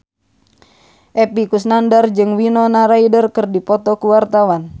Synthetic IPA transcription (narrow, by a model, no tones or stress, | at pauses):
ʔɛpikusnandard͡ʒɨŋwinɔnaɾaidərkɨrdipɔt̪ɔkuwart̪awan